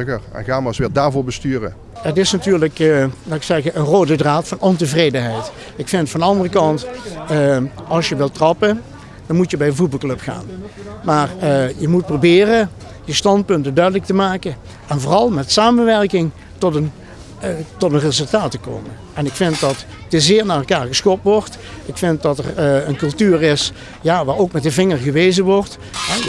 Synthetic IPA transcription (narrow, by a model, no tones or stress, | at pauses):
ərɛ̰nɣaːmasʋɪːdaːɹvʊːɹbəstyːrə̰ | ətɪsnatyːɹləklaːɪksɛɣəʔənroːdədraːtfɑnɔntəvrejdənɦɛjt | ɪkfɪntfɑndəɑndərəkɑnt | ɑlˠsjəʋɪlˠtrɑpə | dɑnmutjəbɛjdəvut̚bɑlˠklɵpxa̰ːnmaːrjəmut̚probɪːrə | dəstɑnt̚pɵntəndœɥdələktəmaːkən | ɛnvoːrɑlˠmɛtsaːmənʋɛrkɪŋ | tɔtən | tɔtənrezɵlˠtaːtəko̰ːmən | ɛnɪkfɪnt̚dɑt | dəzɪːɹnaːrɛlˠkaːɹɣəsxɔp̚tʋɔɹtʔɪkfɪnt̚dɑtərənkɵlˠtyːrɪs | jaːʋaːɹowkmɛtdəvɪŋəɹɣəʋejzəʋɔɹt | ɦɛ